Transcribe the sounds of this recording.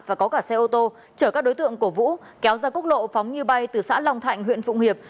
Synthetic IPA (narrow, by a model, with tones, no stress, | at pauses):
vaː˨˩kɔ˨˦kaː˧˩sɛ˧ʔo˧t̪o˧ | t͡ɕəː˧˩kaː˦˥k̚ɗo˨˦jt̪ɨ̰˧˨əŋku˧˩əvṵ˧˥ | kɛ˨˦wzaː˧kʊ˦˥k̚lo̰˧˨fa˨˦wŋ͡mɲɨ˧ɓa˧jt̪ɨ˨˩sa̰ː˧˥la˧wŋ͡mt̪ʰa̰˧˨jŋ̟ɦwḭ˧˨ənfṵ˧˨ŋ͡mhi˨˩əp̚